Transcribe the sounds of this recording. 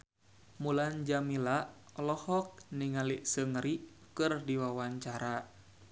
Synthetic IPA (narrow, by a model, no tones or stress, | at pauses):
muland͡ʒamila | lɔhɔk̚niŋaliʔsəŋɾi | kɨrdiwawaɲt͡ʃaɾa